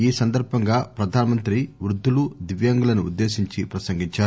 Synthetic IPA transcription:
iːsɐnd̪ɐɾbʱɐŋɡaːpɾɐd̪ʱaːnɐmɐnt̪ɾiʋɾud̪ʱːulud̪iʋjɐŋɡulɐnuṵd̪ːe̞ːsiɲt͡ʃipɾɐsɐŋɡiɲt͡ʃaːɾu

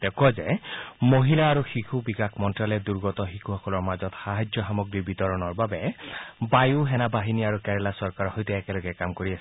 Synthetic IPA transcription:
dɛkɔzɛmoɦilaːɹuxixʰubikakʰmɔntɹalɛduɹɡɔtɔxikʰuxɔkɔlɔɹmazɔtxaɦad͡ʒjɔɦamɔɡɹibit̪ɔɹɔnɔɹbabɛbajuɦɛnabaɦiniaɹukɛɹɛlasɔɹkaɹhɔjtɛɛkɛlɔɡɛkamkoɹias

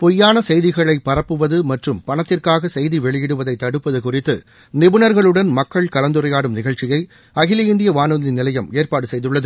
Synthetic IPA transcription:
pɔjːaːnɐsɛjðɪɣɐɭɐɪpːɐrɐpːɯʋɐðɯmɐʈrɯmpɐɳɐt̪ːɪrkaːɣɐsɛjðiʋɛɭɪjɪɽɯʋɐðɐɪt̪ːɐɽɯpːɐðɯkʊrɪt̪ːɯ | nɪbɯnɐɾɣɐɭɯɽɐnmɐkːɐɭkɐlɐnd̪ɯrɐjaːɽɯmnɪɣɐɻt͡ʃːɪjɐɪ | ɐɣɪlɐɪnd̪ɪjɐʋaːnɯðɐnɪnɪlɐjɐmeːrpaːɽɯsɛjðɯɭːɐðɯ

